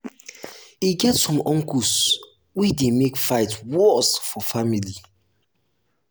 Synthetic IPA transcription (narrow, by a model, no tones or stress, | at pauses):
iɡɛtsɔ̃mɔ̃ŋkus | widemekfaɪtwɔsfɔfamili